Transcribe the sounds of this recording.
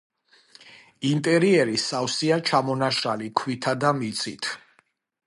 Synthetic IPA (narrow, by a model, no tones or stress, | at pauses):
int̪ʼɛɾiɛɾisawsiat͡ʃʰamɔnaʃalikʰwit̪ʰad̪amit̪sʰʼḭt̪ʰ